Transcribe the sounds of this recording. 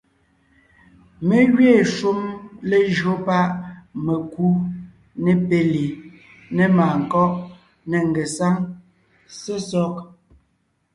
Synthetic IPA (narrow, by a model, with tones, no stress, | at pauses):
me˦ɣɥeː˦˨ʃu˦mle˦d͡ʒɰo˦pa˦ʔme˨ku˦ | ne˨pe˦li˨ | nɛ˨maː˨ŋ̩˨kɔ˦ʔ | ne˨ŋ˨ɡe˨sa˦ŋ | se˦sɔ˦k̚